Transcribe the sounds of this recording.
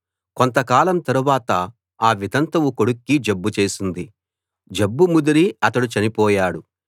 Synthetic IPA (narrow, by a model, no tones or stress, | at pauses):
ko̞nt̪ɐkaːlɐmt̪ɐɾuʋaːt̪ɐ | aːʋid̪ɐnt̪ɐwuko̞ɽukːid͡ʒɐbːut͡ʃeːsind̪i | d͡ʒebːumud̪uɾiɐt̪ɐɽut͡ʃɐnipɔːjaːɽu